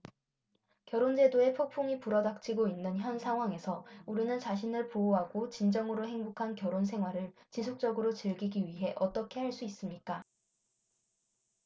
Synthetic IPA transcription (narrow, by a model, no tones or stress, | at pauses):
kjʌɾond͡ʑe̞doe̞pʰok̚pʰoŋipuɾʌdak̚t͡ɕ͈ʰiɡoinːɯnçjʌnsʰaŋɦwaŋe̞sʰʌuɾinɯnt͡ɕaɕ̬ʰinɯɭpooɦaɡot͡ɕind͡ʑʌŋɯɾoɦeŋbukʰankjʌɾons̬ʰe̞ŋɦwaɾɯɭt͡ɕis̬ʰok̚t͡ɕ͈ʌɡɯɾot͡ɕɯɭɡiɡiɥiɦe̞ʔʌt͈ʌkʰe̞ɦaɭs͈uis͈ɯmɲik͈a